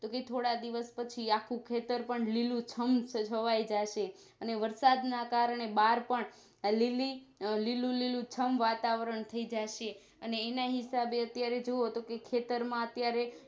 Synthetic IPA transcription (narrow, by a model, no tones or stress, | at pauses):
t̪oket̪ʰoɽad̪iʋəspət͡ʃʰiakʰũkʰet̪əɾpəɳlilũt͡ʃʰəmt͡ʃət͡ʃʰəʋajd͡ʒaʃe | əneʋəɾsad̪nakaɾəɳ̃ebaɾpəɳ | lilililũlilũt͡ʃʰəmʋat̪aʋɾəɳt̪ʰəid͡ʒaʃe | əneːnaɦɪsabeət̪jaɾed͡ʒoot̪okekʰet̪əɾmãət̪jaɾe